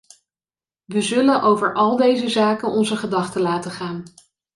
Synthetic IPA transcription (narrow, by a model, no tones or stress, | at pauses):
ʋəzɵlənʔowvəɹʔɑlˠdejzəzaːkənɔnzəχədɑχtəlaːtəχaːn